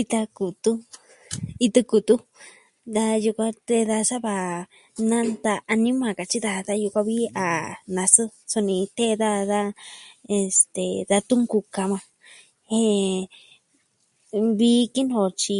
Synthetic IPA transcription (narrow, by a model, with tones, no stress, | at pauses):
i˧t̪a˧ku˨t̪u˦ | i˧t̪ɨ˧ku˨t̪u˦ | d̪a˧ju˧kʷa˧t̪e˧ða˧sa˦βa˧˨ | nã˦nt̪aː˧nĩ˦mã˨ka˨t͡ʃi˦ða˧ða˦˧ju˧kʷa˧βi˦a˨nã˧sɨ˦so˧nĩ˧t̪e˦ða˦˧ða˦e˧st̪e˨ða˧t̪u˦ŋku˧ka˧mã˧ | hẽ˧ | βi˧˦ki˦nõ˧˨t͡ʃi˧